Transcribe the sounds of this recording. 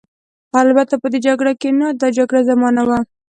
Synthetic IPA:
albat̪apəd̪ed͡ʒaɡɽakenad̪ɑd͡ʒaɡɽazamɑnawa

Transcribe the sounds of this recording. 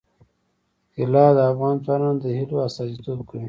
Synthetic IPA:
ɪlɑd̪əafɣɑnt̪waɾɑnd̪əhiloasɑzit̪ob̚kəwi

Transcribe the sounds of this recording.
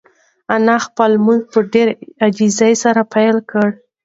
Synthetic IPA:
anaxpəlmuɡ̚pəɖeɾad͡ʒizajsaɾapajlkəɽ

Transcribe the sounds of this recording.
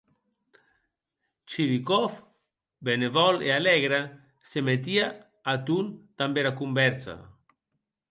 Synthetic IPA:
t͡ʃiβikɔf | benevɔlḛalɛɣɾa | semet̪̬ia | at̪unt̪ambeɾakumbɛɾsa̰

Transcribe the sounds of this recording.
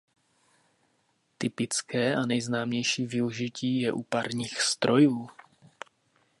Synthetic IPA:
t̪ɪpɪt͡skɛːʔanɛjznaːmɲɛjʃiːvɪuʒɪciːjɛʔupaɾɲiːxst̪ɾʔo̞juː

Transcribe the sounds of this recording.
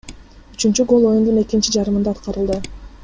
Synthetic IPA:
yt͡ʃynt͡ʃyɡo̞lˠo̞jund̪une̞kint͡ʃid͡ʒɑɾɯmɯnd̪ɑːt̪qɑɾɯlˠd̪ɯ

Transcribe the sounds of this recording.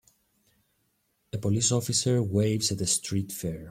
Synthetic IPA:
epolisofiseɹwejvzɐt̪est̪ɾit̪feɹ

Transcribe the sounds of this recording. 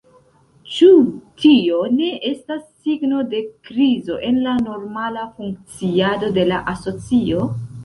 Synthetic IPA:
t͡ʃutio̞ne̞ʔe̞stasːiɡno̞de̞kɾizo̞ʔe̞nlano̞ɾmalafuŋk̚t͡siado̞de̞laʔaso̞t͡sio̞

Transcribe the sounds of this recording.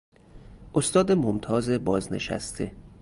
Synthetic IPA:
ʔost̪ɒːd̪emomt̪ʰɒːze̞bɒːzne̞̰ʃæ̰st̪ʰe

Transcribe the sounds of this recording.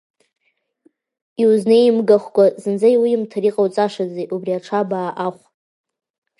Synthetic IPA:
iwznɨimɡaχʷkʷʼazɨnd͡zajwimtʰaɾiqʼawt͡sʼaʂad͡zejʔubriaʈ͡ʂʰabaːʔaχʷ

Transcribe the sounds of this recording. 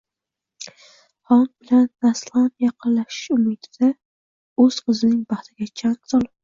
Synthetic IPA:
hɒnbɪlanːaslˠamjɑqʰɨnlaʃɪ̥ʃʊmɪd̪ɪd̪a | ɵz̥qʰɨzɪnɪŋbɑht̪ʰɪɡʲat͡ʃʰansɒlˠɪp̚

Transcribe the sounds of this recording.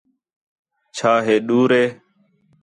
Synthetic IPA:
t͡ʃʰaːɦeːɗuːɾeː

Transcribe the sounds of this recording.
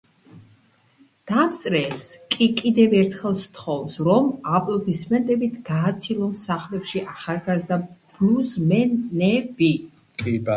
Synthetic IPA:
d̪̥amst̪ʼɾɛːpskʼikʼid̪ɛvɛɾt̪ʰχɛlˠst̪ʰχɔvsɾɔmapʼlˠɔd̪ismɛnt̪ʼɛbit̪ʰɡ̥aːt̪sʰilˠɔnsaχlɛpʃiʔaχalˠɡazd̪ab̥luzmɛnɛbikʼi

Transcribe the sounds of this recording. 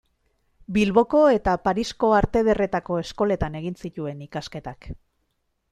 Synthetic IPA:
bilβo̞ko̞e̞t̪apaɾisko̞aɾt̪e̞ð̞e̞re̞t̪ako̞e̞sko̞le̞t̪ane̞ɣinsit̪ue̞nikaske̞t̪ak

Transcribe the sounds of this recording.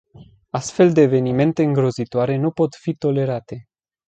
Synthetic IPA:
ast̪fe̞ld̪e̞ːve̞nime̞nt̪e̞ɨŋɡɾo̞zit̪oaɾe̞nupo̞t̪fit̪o̞le̞ɾat̪e̞

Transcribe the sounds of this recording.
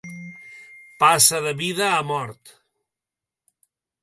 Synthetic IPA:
pasəðəβiðəːmɔɾt̪

